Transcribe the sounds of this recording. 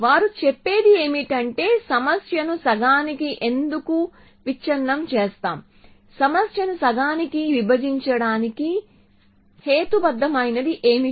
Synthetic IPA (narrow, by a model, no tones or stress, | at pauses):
ʋaːɾut͡ʃɛpːe̞ːd̪ie̞ːmiʈɐɳʈe̞ːsɐmɐsjɐnusɐɡaːnikiʔe̞nd̪uku | ʋit͡ʃɐɾːɐmt͡ʃeːst̪aːm | sɐmɐsjɐnusɐɡaːnikiʋibɐd͡ʒiɲt͡ʃɐɽaːniki | he̞ːt̪ubɐd̪ːɐmɐjnɐd̪iʔe̞ːmi